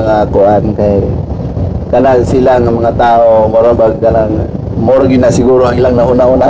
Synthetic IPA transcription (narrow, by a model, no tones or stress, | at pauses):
ŋakʊʔankaj | kanasɪlaŋamaŋat̪aʔomoɾabaɡ̚kanaŋa | moɾaɡɪnasɪɡuɾoaŋɪlaŋnaʔunauna